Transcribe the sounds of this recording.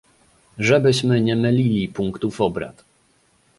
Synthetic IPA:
ʐɛbɘɕmɘɲɛmɘlʲilʲipuŋkt̪ufɔbɾa̰t̪

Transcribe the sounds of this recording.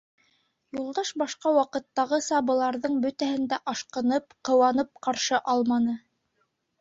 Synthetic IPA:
julˠd̪ɑʃbɑʃqɑwɑqɤ̆t̪ːɑʁɤsɑbɤ̆lˠɑɾðɤɴbɵ̆t̪æhɘ̆nd̪æʔɑʃqɤ̆nɤp̚qɤ̆wɑnɤp̚qɑɾʃɤʔɑlˠmɑnɤ

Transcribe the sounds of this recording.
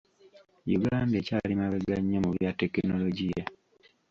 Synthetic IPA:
jṵɡaːnde̞ːcaːlimaβeɡaɲːomuβjatːe̞kino̞loɟija

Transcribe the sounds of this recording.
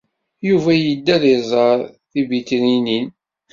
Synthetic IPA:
juvæjəd̪ːæðizˤəɾˤθibit̪ninin

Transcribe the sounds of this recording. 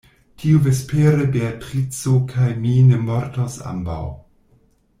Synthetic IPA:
tʰiuvespeɾebeatɾit͡sokʰajminemoɾtosa̰mba̰w

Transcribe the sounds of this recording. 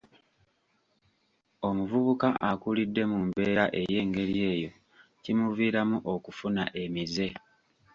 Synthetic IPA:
o̞muvuβukaʔakulidːe̞mumbe̞ːɾaʔe̞je̞ːŋɡe̞ɾiie̞ːjo̞ | cimuviːɾamuʔo̞kufuna̰ʔe̞mize̞

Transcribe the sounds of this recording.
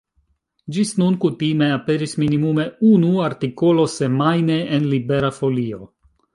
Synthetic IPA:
d͡ʒisnunkutime̞ape̞ɾisminimume̞unuaɾtiko̞lo̞se̞majne̞ʔenlibe̞ɾafo̞lio̞̰

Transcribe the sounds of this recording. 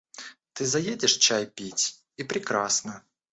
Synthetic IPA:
t̪ɨzɐjedʲɪʂt͡ɕajpʲitʲ | ipɾʲɪkɾasnə

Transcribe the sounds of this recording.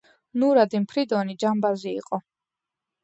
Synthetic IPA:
nuɾad̪impʰɾid̪ɔnid͡ʒambazḭːqʼɔ

